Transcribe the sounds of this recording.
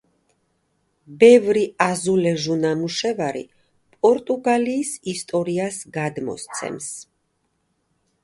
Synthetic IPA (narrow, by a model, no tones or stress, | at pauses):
bɛvɾiazulɛʒunamuʃɛvaɾḭ | pʼɔɾt̪ʼuɡaliːsist̪ʼɔɾiasɡad̪mɔ̰st̪sʰɛ̰ms